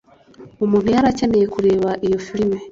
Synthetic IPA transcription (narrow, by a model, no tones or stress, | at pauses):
omuːn̥ujaɾace̞mejekuɾe̞ːβaʔijo̞filime